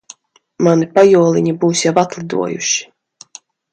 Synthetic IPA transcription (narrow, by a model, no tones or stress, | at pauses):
manipajuɔlˠiɲibuːsjavat̪lˠid̪ṵɔjṵʃi̥